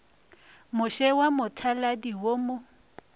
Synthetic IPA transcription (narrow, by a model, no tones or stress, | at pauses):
mʊʃɛwamʊtʰaladiwomo